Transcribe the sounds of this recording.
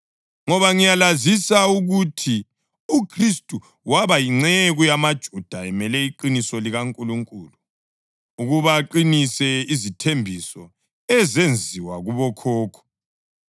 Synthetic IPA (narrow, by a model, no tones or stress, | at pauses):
ŋɔβaŋijalazisauɣutʰi | ukʰristʼu | waβajiŋ͡ǀɛɣujamad̥ʒ̥ʱud̥ʱaɛmɛlɛiǃinisɔliɣaŋkʼuluŋkʼuːlu | uɣuβaːǃinisɛizitʰembʱisɔ | ɛzend͡zʱiwaɣuβɔkʰɔːkʰɔ̥